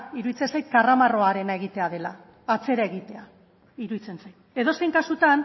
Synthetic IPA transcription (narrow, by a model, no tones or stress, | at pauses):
iɾuðit͡se̞nsajt̪̚karamaro̞aɾe̞nae̞ɣ̞it̪e̞að̞e̞laː | t͡se̞ɾae̞ɣit̪e̞a | iɾuðit͡se̞nsajt̪e̞ðo̞se̞jŋkasut̪an